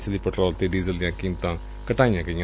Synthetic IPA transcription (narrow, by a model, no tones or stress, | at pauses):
səliːpəʈɾɔːlt̪eːɖiːzəld̪ɪjãːkiːmt̪ãː | kəʈaːijãːkəĩjã